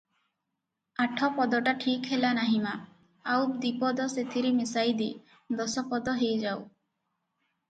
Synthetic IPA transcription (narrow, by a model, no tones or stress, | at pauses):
aʈʰɔpɔd̪ɔʈaʈʰikɦelanaɦimaː | wd̪ipɔd̪ɔset̪ʰiɾimisajd̪i | d̪ɔsɔpɔd̪ɔɦejd͡ʒaw